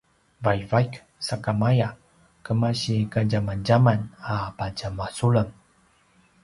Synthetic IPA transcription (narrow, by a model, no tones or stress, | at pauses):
vajvajk | sakamaja | kəmaɕikaɟamand͡ʑamanapaɟamasuɭəŋ